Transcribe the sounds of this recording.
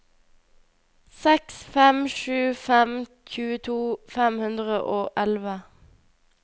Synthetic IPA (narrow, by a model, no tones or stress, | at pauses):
sɛksfɛmʃʉːfɛmçʉːət̪ʰuːfɛmhʉnd̪ʁəʔoːʔɛlʋə